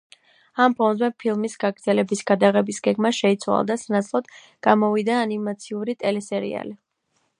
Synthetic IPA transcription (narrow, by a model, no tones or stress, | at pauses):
ampʰɔnzɛpʰilˠmisɡ̥aɡɾd̪ɛlɛbisɡ̥ad̪aʁɛbisɡɛɡmaʃɛit̪sʰwa̰lˠd̪asanat̪sʰlˠɔd̪̥ | ɡ̥amɔvid̪aːnimat̪sʰiuɾit̪ʼɛlɛsɛɾḭa̰li